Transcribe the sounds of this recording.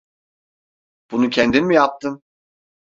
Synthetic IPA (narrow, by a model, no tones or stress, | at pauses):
b̥unucʰɛnd̪inmijap̚t̪ʰɯm